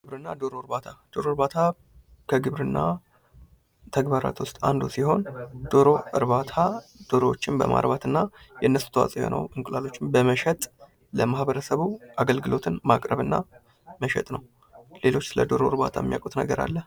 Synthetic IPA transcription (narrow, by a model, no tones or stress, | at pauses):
ɡɨβɾɨnːad̪o̞ɾoɾbat̪ʰad̪̥o̞ɾo̞ɾbat̪ʰa | kʰəɡɨβɾɨnːa | t̪ʰəɡbaɾa̰t̪wʊst̪ʼand̪usiho̞nd̪̥o̞ɾo̞ʔɨɾbat̪ʰad̪̥o̞ɾo̞wot͡ʃːɪnbə̰mʔa̰ɾbat̪ʰɨnːajɛnːəsu̥t̪ʰəwa̰sʼjo̰nʔə̰wɨŋkʼlalo̞t͡ʃːɪmbəməʃɛt̪ʼ | ləmahbəɾəsəβuʔaɡəlɡɨlo̞t̪ʰɨnmakʼɾəβɨnːa | məʃɛ̰t̪ʼnəw | le̞lo̞t͡ʃːsɨləd̪o̞ɾoɨɾbat̪ʰajɛmːija̰kʼut̪nəɡəɾa̰lːəh